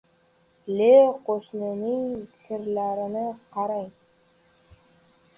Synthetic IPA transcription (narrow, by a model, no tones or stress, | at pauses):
lʲeqoʃnɪnɪŋkʰɪɾlæɾɪ̆nɘqʰɑɾɑj